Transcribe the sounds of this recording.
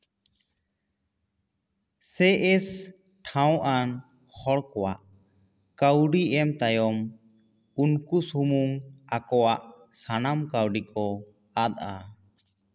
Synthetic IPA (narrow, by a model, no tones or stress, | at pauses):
sɛʔɛs | ʈʰaw̃ʔan | hɔɽkɔwaʔ | kawɖiʔɛmt̪ajɔm | unkusumuŋakɔwaʔ | sanamkawɖikʰɔ | ad̪̚a